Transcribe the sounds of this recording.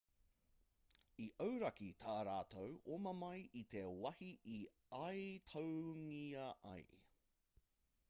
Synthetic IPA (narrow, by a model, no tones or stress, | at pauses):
iʔəwɾɐkit̪ʰaːɾaːt̪ʰowʔomɐmɐjʔit̪ewɐhiʔi | ɐjt̪ʰowŋiɐʔɐ̰j